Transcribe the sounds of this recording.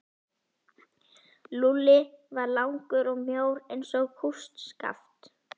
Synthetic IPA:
lulɪvaɾlawŋkʏɾɔɣmjoːwɾejnsɔɣkʰust̪ska̰ft̪

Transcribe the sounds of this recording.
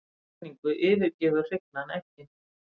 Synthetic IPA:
niŋkʏʔɪːvɪɾcɛːðʏ̥r̥ɪk̚nanɛhcɪ

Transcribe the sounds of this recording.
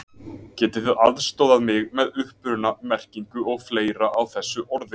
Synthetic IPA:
cɛːt̪ɪθɪðaðst̪owðaðmɪɣmɛðʏhpʏɾnamɛr̥ciŋkʏʔɔɣfleːjɾaʔawθɛsːʏʔɔɾðɪ

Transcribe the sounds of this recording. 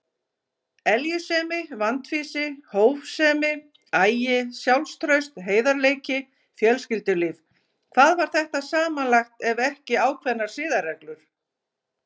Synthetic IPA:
ɛljʏsɛːmɪvant̪fiːsɪhoːwvsɛːmɪ | ajjɪsjawlst̪ɾœɥst̪ɦeːjðaɾleːjcɪ | fjœlscɪlt̪ʏliːv | kʰvaðvaɾ̥θɛht̪asaːmanlajxt̪ɛvɛhcɪaːwkʰvɛnːaɾ̥sɪːðaɾrɛklʏɾ̥

